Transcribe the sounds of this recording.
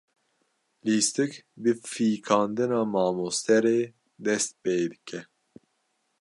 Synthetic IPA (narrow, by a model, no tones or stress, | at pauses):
liːst̪ɨkbɨfiːkʰɑːnd̪ɨnɑːmɑːmoːst̪ɛɾeː | d̪ɛst̪̚peːd̪ɨkʰɛ